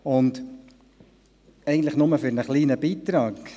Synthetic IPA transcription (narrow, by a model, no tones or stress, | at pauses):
ʊnd̪ | ɛɪɡətləχnʊməfʏɾnəχliːnəbiːt̪ɾɑːk